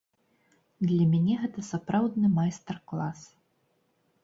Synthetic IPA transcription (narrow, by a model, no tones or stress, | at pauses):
d̪lʲɐmʲanʲɛɣɛt̪ɐsapɾawd̪nɨmajst̪ɐrklˠas